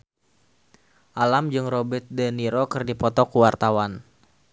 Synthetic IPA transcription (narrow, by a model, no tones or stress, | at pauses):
ʔalamd͡ʒɨŋrobət̪̚dəniɾokɨrdipɔt̪ɔkuwart̪awan